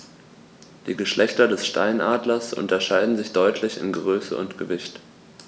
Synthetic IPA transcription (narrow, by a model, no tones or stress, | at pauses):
d̥iːɡəʃlʔɛçtɐdɛsʃta̰ɪnʔaːdlɐsʔʊ̰ntɐʃaɪdn̩zɪçd̥ɔʏtʰlɪçɪ̰nɡəʁøːsə̰ʊ̰ntɡ̥əvɪçt